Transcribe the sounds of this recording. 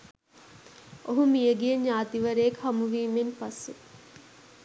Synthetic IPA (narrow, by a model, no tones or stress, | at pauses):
oɦumijəɡijeɲjaːt̪iʋɐɾejːkɦɐmuʋiːmenpasːe